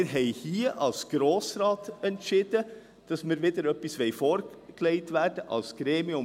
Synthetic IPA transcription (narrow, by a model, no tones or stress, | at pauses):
ɾɦɛɪhiːʔɑ̰lsɡ̥ɾoːsɾɑːt̪ɛnt̪ʃɪd̪ə | d̪̥ɑsmeɾʋed̪əɾœpːɪsʋeɪfoɾkʰleɪt̪ʰʋæɖəʔɑ̰lsɡ̥ɾeːmɪʊm